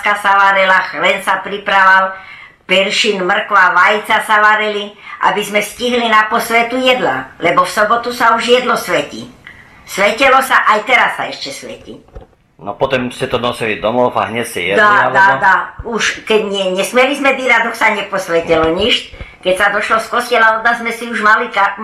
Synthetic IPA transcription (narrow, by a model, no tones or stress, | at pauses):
skasaʋaɾilaxlɛnsapɾipɾaʋal | pɛɾʃinmr̩kʋaʋajt͡sasaʋaɾiliʔa̰bizmɛsciɦlinapɔsʋɛt̪ujɛd̪lalɛbɔfsɔbɔt̪usauʒjɛd̪lɔsʋɛcḭ | sʋɛcɛlɔsaʔajt̪ɛɾasːa̰ɛʃcɛsʋɛ̰cḭ | nɔ̰pɔt̪ɔmscɛt̪ɔnɔsilid̪ɔmɔfa̰ɦɲɛcscɛ̰jɛ̰d̪aad̪auʃkɛɟɲɛɲɛsmɛlizmɛd̪iɾad̪ɔksaɲɛpɔsʋɛcɛlɔɲiʃtkɛcsad̪ɔʃlɔskɔscɛlaɔd̪nazzmɛsiuʒmalikaɾt̪m